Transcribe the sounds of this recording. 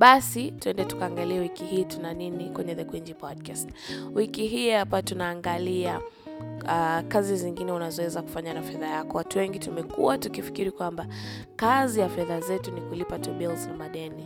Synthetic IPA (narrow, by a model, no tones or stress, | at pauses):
ɓasituɛndɛtu̥kaːŋɡaliɛwikihiːtunaninikwɛɲɛðɛkwiɲd͡ʒipɔdkast | wikiɦiːhapatunaːŋɡalia | akaziziŋɡinɛunazɔwɛzaku̥faɲanafɛðajakɔwatuwɛŋɡitumɛkṵwatukifi̥kiɾikwamba | kazijafɛðazɛtunikulipatɔɓɛlznamaɗɛni